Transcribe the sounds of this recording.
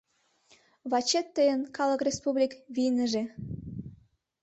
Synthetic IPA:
βɑt͡ɕet̪ːəjənkɑləkrʲespublʲikβinəʒe

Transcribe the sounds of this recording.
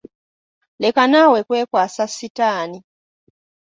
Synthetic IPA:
le̞kanawe̞kwe̞ːkwaːsasːitaːni

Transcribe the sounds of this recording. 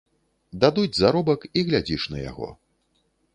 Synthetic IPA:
d̪ad̪ud͡zʲzaɾɔbɐkiɣlʲad͡zʲiʂnɐja̰ɣɔ̰

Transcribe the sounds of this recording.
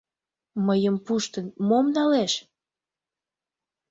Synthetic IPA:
məjəmpuʃt̪ənmomnɑleʃ

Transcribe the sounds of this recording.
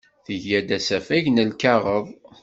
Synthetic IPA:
θəʝæd̪æsæfæʝnəlkɑʁəðˤ

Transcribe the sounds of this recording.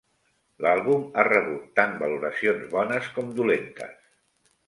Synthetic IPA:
lalˠβumarəβut̪ːambəluɾəsionzβɔnəskɔmd̪ulent̪ə̰s

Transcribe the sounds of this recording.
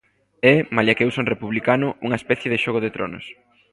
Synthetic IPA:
ɛmaljakewsonrepuβlikanʊuŋɐespɛθjeðeʃoɣ̞oðet̪ɾo̰nʊ̰s

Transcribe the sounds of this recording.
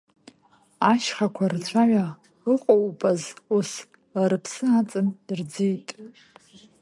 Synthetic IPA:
aʃχakʷʰart͡ɕʷʰaʕa | ɨqʷʼowpʼazus | aɾɨpʰsɨat͡sʼɨnird͡zijtʼ

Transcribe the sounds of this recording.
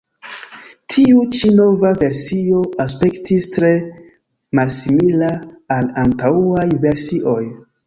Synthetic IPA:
tʰiut͡ʃino̞vave̞ɾsio̞aspe̞ktistɾe̞ | malsimilaːlantauajve̞ɾsiʔo̞j

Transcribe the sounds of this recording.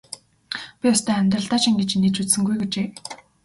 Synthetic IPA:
pʲiʊst̪ʰœːæmʲt̪̬rə̆ɮt̪aːt͡ɕĭŋɡet͡ɕnːet͡ɕut͡ssɘ̆ŋɡujɡet͡ɕeː

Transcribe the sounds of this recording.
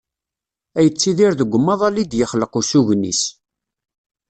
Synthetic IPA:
æjət͡sːiðiɾðəɡʷːəmːɑðˤɑlid̪jəχləqusuʝnːḭs

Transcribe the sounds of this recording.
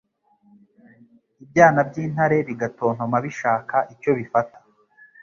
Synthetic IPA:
ibɟaːnab̚ɟiːn̥haɾe̞βiɡatoːn̥homaβiʃaːkaʔico̞βifatḁ

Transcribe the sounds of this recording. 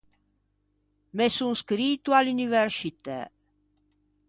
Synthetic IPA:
mesunskɾit̪ualunivɛɾsit̪ḛ

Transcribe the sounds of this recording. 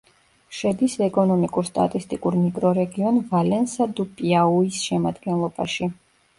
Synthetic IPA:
ʃɛd̪isɛkʼɔnɔmikʼuɾst̪ʼa̰t̪ʼist̪ʼikʼuɾmiɡʼɾɔɾɛɡiɔnvalɛnsad̪upʼiauisʃɛmad̪ɡɛnlˠɔba̰ʃi

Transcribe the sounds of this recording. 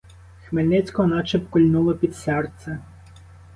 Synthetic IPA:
xmelʲnɪt͡sʲkɔɔnɑt͡ʃepkɔlʲnulˠɔpʲid̪sɛrt̪sʲɛ

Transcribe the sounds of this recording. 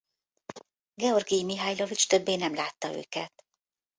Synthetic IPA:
ɡɛo̞rɡijmiɦajlo̞vit͡ʃt̪ø̞bːeːnɛmlaːt̪ːɒø̰ːkɛt̪

